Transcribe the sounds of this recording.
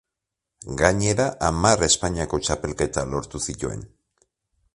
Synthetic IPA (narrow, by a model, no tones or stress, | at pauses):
ɡaɲe̞ɾaʔamare̞spaɲiako̞t͡ʃape̞lke̞t̪alo̞ɾt̪usit̪ue̞̰n